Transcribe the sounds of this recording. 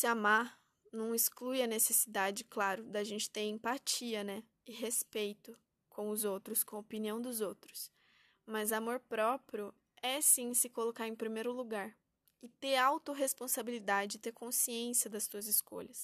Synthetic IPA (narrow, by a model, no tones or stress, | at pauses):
sɪama | nɐ̃w̃ɪsklujɐnesesid̪ad͡ʒɪklaɾʊd̪aʒẽnt͡ʃɪ̥t̪eɾẽpat͡ʃiɐnɛ | ɪɦespejt̪ʊ | kʰõʊzowt̪ɾʊskõopiniɐ̃w̃d̪ʊzowt̪ɾʊ̥s | mɐzamoɾpɾɔpɾjʊ | ɛsĩsɪkolokaɾẽj̃pɾimejɾʊluɡaɾ | ɪt̪eɾawt̪oɦespõsabilid̪ad͡ʒɪd͡ʒɪt̪eɾkõsiẽsjɐd̪ɐst̪uɐzɪsko̰ʎɐs